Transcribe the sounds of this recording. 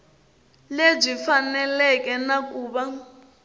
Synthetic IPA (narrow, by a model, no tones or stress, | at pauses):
leb͡ʐifanɛlɛkʼɛnak̬ʼuːɓa